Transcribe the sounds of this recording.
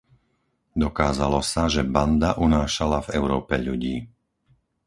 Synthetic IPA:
d̪ɔkaːzalɔsaʒɛband̪aʔunaːʃalavɛʊɾɔːpɛʎuɟiː

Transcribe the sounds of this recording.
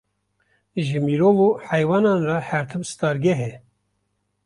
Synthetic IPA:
ʒɨmiːɾoːvoːħɛjwɑːnɑːnrɑhæɾt̪ʰɨmsɨ̥t̪ɑːɾɡɛɦɛ

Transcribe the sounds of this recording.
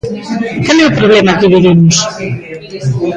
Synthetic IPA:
kalɛupɾoβlɛmakeβiβimʊs

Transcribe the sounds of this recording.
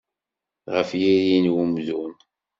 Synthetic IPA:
ʁəfjiɾinwumzun

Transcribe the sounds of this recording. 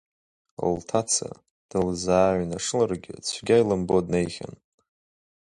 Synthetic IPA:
oltʰat͡sʰa̰ | d̥ɨlzaːɥnaʂɨlarɡʲɪ̰t͡sʷʰɡʲajlambodnejχʲa̰n

